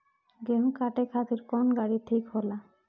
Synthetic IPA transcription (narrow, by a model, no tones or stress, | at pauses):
ɡẽkaʈekʰat̪iɾkɔnɡaɽiʈʰikɦola